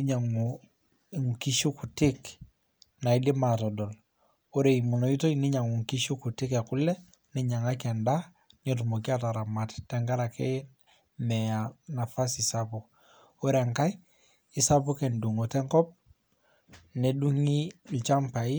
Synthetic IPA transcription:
iɲa˨ŋ˨ | ŋ˨ki˦ʃu˦ku˨tɪ˦k | na˨i˦li˦ma˨tɔ˨dɔ˨l | o˦ɾe˨i˨mu˨no˨i˦to˦ini˦ɲa˨ŋu˨ŋki˦ʃu˦ku˨tɪ˦kɛ˨ku˦lɛ˦ | ni˦ɲa˨ŋa˦kɛ˨nda | ɲot̬u˨mo˨k̬i˦a˦ta˨ɾa˨ma˨ttːɛ˦ŋɡa˦ɾa˨ke | mɛ˨a˨na˨fa˦si˨sapu˨k | o˦ɾe˨ŋka˦i | i˨sapu˦ke˨ndu˨ŋo˨tɛ˦ŋkɔ˦p̚ | ne˨du˦ŋi˦lt͡ʃa˦mpa˨i˦

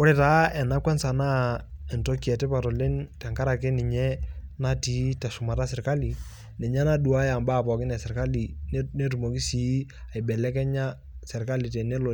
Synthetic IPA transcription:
ʊ˦ɾɛ˨taː˨˦ɛ˨na˦kwɛ˦nsa˨na˦ɛ˨nto˦ki˦ɛ˨tɛ˦pa˨tɔ˨le˦ntɛ˨ŋka˦ɾa˨kɛ˦nɪ˨ɲɛ˦na˦ti˨˦tɛ˨ʃʊ˨ma˨ta˦sɪ˨ɾka˦li˨ | nɛ˨ɲɛ˦na˦du˨a˦ja˨mbaː˦˨pɔ˨kɪ˦nɛ˨sɪ˨ɾka˦li˨ne˦tu˨mo˨ki˦si˨˦a˨jbɛ˨lɛ˦kɛ˦ɲa˦ | sɛ˨ɾka˦li˨tɛ˨nɛ˦lo˨

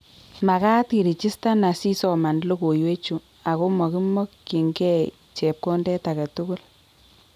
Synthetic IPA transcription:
ma˨ka˦tki˨ɾi˨t͡ʃi˦sta˦na˨si˦sɔ˨ma˨nlo˦ko˨jwe˦t͡ʃu˨ | a˨ko˦mɔ˨ki˦mɔ˦kːi˨ŋɡɛ˦ | t͡ʃɛ˨p̚kɔ˦ndɛ˦ta˨ka˨tu˦ku˦l

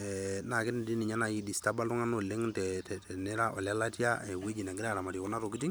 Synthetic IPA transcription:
ɛna˨kɪ˦n˨di˦nɪ˨ɲa˦na˨i˦di˨sta˦ba˦lʊ˦ŋa˦no˨le˦ŋtɛtɛ˨tɛ˨nɛ˦ɾa˦ʔɔ˨lja˦la˦tja˦ɛ˨we˦d͡ʒi˨na˨ŋɡɪ˦ɾa˦˨ɾa˨ma˨tji˨kɔ˦na˦to˨ki˦ti˦ŋ

